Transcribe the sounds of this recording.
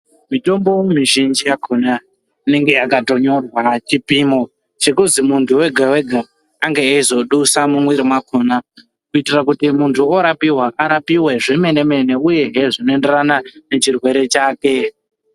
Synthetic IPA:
mito̞mbowmiʒind͡ʒijakʰona | ine̞ŋɡe̞akato̞ɲo̞rwat͡ʃipimo̞ | t͡ʃe̞kuzimuntʰuwe̞ɡʱawe̞ɡʱa | aŋɡeːizo̞ɗusamumwiɾimwakʰona | kuitirakutimuntʰuoɾapiwaʔaɾapiwe̞ʐe̞me̞ne̞me̞ne̞uje̞ɦeʐinoende̞ranane̞t͡ʃirwe̞ɾe̞t͡ʃaːke̞

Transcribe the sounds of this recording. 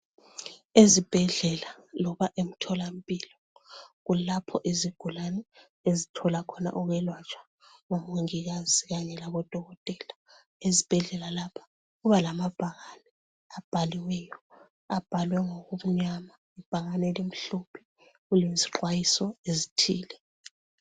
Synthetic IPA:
ezib̥ʱɛɮɛlalɔβaʔem̩tʰɔlam̩pʼiːlɔ | ɣulapʰɔʔiziɡ̥ʱulanɛ | ezitʰɔlakʰɔna̰ʔuɣwɛlwat͡ʃʼwḁ | ŋomuŋiɣaziɣaɲɛlaβɔd̥ʱɔɣɔtʼɛːla | ezib̥ʱɛɮɛlalapʰḁ | ɣuβalamab̥ʱaɣanɛ | ab̥ʱaliwɛjɔ | ab̥ʱalwɛŋoɣuβuɲama | ib̥ʱaɣanɛlim̩ɬupʰi̥ | ɣuleziǃwajisɔezitʰiːlɛ

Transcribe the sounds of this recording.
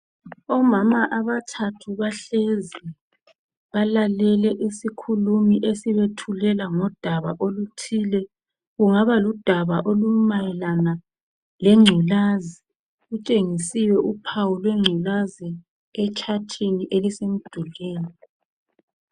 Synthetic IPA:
ɔmamaʔaβatʰatʰuβaɬezɛ | βalalɛlɛʔisikʰulumiʔesiβetʰulɛlaŋɔd̥ʱaβaʔolutʰilɛ | ɣuŋaβalud̥ʱaβaʔolumajɛlana | lɛŋ͡ǀʱulazi | ɣut͡ʃʼeŋisiwɛʔupʰawulweŋ͡ǀʱilazi | ɛt͡ʃʰʼatʰiniʔelisem̩d̥ʱuleːni

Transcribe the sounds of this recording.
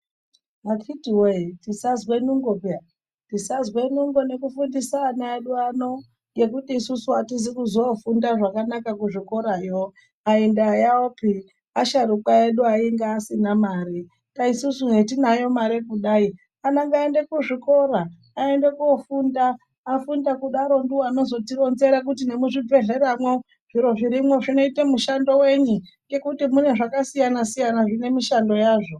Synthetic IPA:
ɦakʰitiwetisazwe̞nuŋɡopa | tisazwe̞nuŋɡone̞kufundisaːnaeɗuano̞ | je̞kutiːsusuatizikuzofundaʐakanakakuʐiko̞ɾajo | aendajaopi | aʃarukaeɗuaiŋɡaːsinamaːri | kaisusunetinajo̞maɾekuɗaːi | anaŋɡaende̞kuʐiko̞ɾaː | e̞nde̞kuofundaː | fundakuɗaɾo̞nduwano̞zo̞tiro̞nze̞ɾak̬utine̞muʐib͡ve̞ɮe̞ɾamwo | ʐ̥iɾo̞ʐiɾimwoʐino̞itemuʃando̞we̞ɲuŋɡe̞kutimune̞ʐakasijanasijanaʐine̞miʃando̞jaːʐo̞

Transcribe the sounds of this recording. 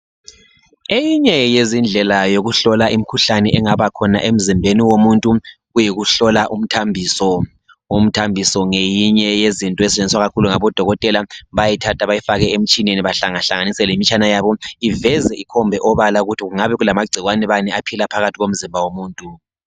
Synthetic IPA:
ejiɲɛjezind͡ɮʱɛlajoɣuɬɔlaʔim̩kʰuɬanɛʔɛŋaβakʰɔna̰ʔem̩zimbʱeniwomuntʼuɣujiɣuɬɔlaʔum̩tʰambʱiːsɔ | um̩tʰambʱisɔŋejiɲɛjezintʼɔɛsɛt͡ʃʼend͡ziswaɣakʰuluŋaβɔd̥ʱɔɣɔtʼɛlaβajitʰatʰaβajifaɣɛem̩t͡ʃʼineniβaɬaŋaɬaŋanisɛlemit͡ʃʼanajaːβɔivɛzɛikʰɔmbʱɛʔɔβalauɣutʰiɣuŋaβɛɣulamaɡ͡ǀʱiɣwanɛβanɛapʰilapʰaɣatʰiɣom̩zimbʱawomuːntʼu

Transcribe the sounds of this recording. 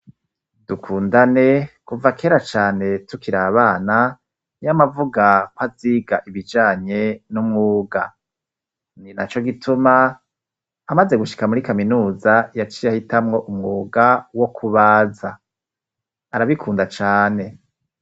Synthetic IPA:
dukʰuːndane̞kuvakʰe̞ːɾat͡ʃaːne̞tukiɾaːβaːna | jamavuɡakwaziːɡaʔiβid͡ʒaːɲe̞numŋuːɡa | ninat͡ʃo̞ɡitʰumaː | maze̞ɡuʃi̥kamuɾikaminuːzajat͡ʃijahitamŋo̞ʔumŋuːɡawo̞kʰuβaːza | ɾaβikʰuːndat͡ʃaːne̞

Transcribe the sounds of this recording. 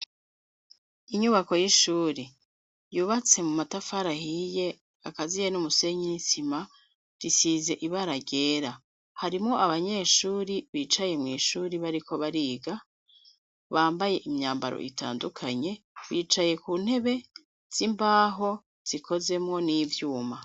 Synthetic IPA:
iɲuβako̞jiʃuːɾe | juːβat͡se̞mumatafaɾahije̞ | akazijenumuse̞ɲinisima | ɾisiːze̞ʔiβaɾaɟe̞ːɾa | haɾimŋo̞ʔaβaɲe̞ʃuːɾiβiːt͡ʃaje̞mŋiːʃuːɾiβaɾiko̞βaɾiːɡa | βaːmbaje̞ʔimɲaːmba̰ɾo̰ʔḭtʰa̰ːndukʰaɲe̞βiːt͡ʃaje̞kuːn̥he̞βe̞ | z̥imbaːɦo̞ | z̥ikʰo̞ze̞mŋo̞nivjuːma

